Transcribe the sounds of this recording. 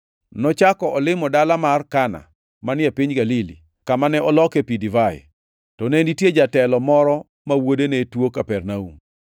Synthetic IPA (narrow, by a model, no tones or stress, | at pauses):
nɔt͡ʃakɔɔlɪmɔdalamarkana̰ | manɪapiɲɡalilḭ | kamanɛʔɔlɔkepidivaj̰ | tɔnɛnditjed͡ʒatɛlɔmɔɾɔ | mawodenetwokapɛrnaṵm